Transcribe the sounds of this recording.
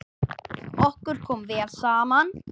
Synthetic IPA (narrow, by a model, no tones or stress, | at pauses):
ɔhkʏɾ̥kʰɔːmvɛːalsaːman